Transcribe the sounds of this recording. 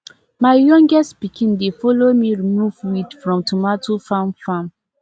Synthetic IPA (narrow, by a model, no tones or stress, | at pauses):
maɪjɔ̃ŋɡɛstpikʰĩndefɔlomiɹimuvwidfɹɔ̃mtʰumatʰofãmfãm